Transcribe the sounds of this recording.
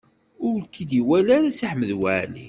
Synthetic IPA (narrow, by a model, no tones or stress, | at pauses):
ʊɾlkid̪iwælaɾasiħməðwaʕlḭ